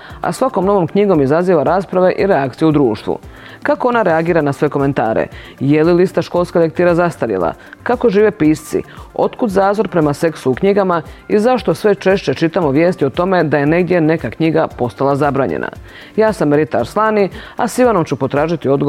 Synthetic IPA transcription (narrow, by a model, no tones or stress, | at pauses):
a̰sʋako̞mno̞ʋo̞mkɲiɡo̞mizaziːʋaɾaːspɾaʋe̞ʔiɾeakt̪sijeud̪ɾuːʃt̪ʋṵ | kako̞o̞naɾeaɡiːɾanasʋe̞ko̞me̞nt̪a̰ːɾḛ | jelilist̪aʃko̞lˠskalek̚t̪iːɾazast̪aɾjḛlˠa̰kako̞ʒiːʋepiːst̪sḭo̞t̪kud̪zaːzo̞ɾpɾe̞mase̞ksuukɲiɡamaizaʃt̪o̞sʋe̞t͡ʃe̞ʃt͡ɕe̞t͡ʃit̪amoʋje̞ːst̪io̞t̪o̞me̞d̪aje̞ne̞ɡd̪je̞ne̞kakɲiɡapo̞st̪alˠazabɾaːɲḛnʔa̰ | jaːsamɾit̪aɾslˠaːnia̰siʋano̞mt͡ɕupot̪ɾaːʒit̪io̞d̪ɡo